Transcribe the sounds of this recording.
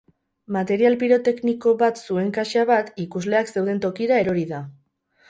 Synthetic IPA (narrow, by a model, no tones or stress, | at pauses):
mat̪e̞ɾialpiɾo̞t̪e̞kniko̞βat̪sue̞ŋkaʃaβat̪ikuzle̞akse̞wð̞e̞nt̪o̞kiɾae̞ɾoɾiða